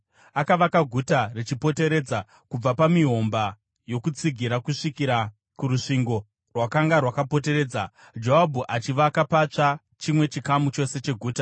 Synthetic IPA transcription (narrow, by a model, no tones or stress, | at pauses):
akaʋakaɡʱutaret͡ʃipo̞te̞ɾe̞ːd͡za | kub͡vapamiɦo̞mba | jo̞kut͡siɡʱiɾakuʂikiɾa | kuɾuʂiŋɡo̞ | rwakaŋɡarwakapo̞te̞ɾe̞ːd͡za | d͡ʒoɦabʱuʔat͡ʃiʋakapat͡ʂa | t͡ʃimwe̞t͡ʃikamut͡ʃo̞se̞t͡ʃe̞ɡʱuːta